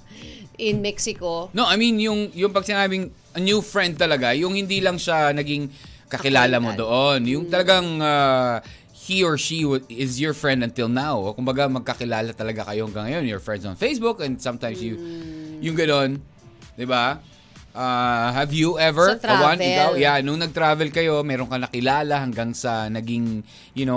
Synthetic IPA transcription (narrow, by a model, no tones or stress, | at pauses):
ʔɪ̃nmɛksɪkonoʔɐjmĩnjʊŋjʊŋpɐɡ̚sɪnaːbɪŋ | ʔɐnjufɹɛ̃nd̪̚t̪ɐlɐɡajʊŋhɪnd̪ilɐŋʃanɐɡiŋkɐkɪlaːlɐmod̪oʔonjʊŋt̪ɐlɐɡaŋa | hiɔɹʃiwɪzjɔɹfɹɛ̃nd̪ɐnt̪ɪlnawkʊmbɐɡamɐɡ̚kɐkɪlaːlɐt̪ɐlɐɡakɐjo̞hɐŋɡaŋɐjo̞njɔɹfɹɛnd̪sɐ̰̃nfejsbukɛ̃nd̪sɐ̃mt̪ãjmsjujʊŋɡɐno̞n | d̪ɪba | ʔaːhɐvjuʔɛvɛɹwãnɪawjanʊŋnɐɡ̚t̪ɾaːvɛlkɐjo̞mɛːɾoŋkɐnɐkɪlaːlɐhɐŋɡaŋsɐnɐɡiŋ | jʊno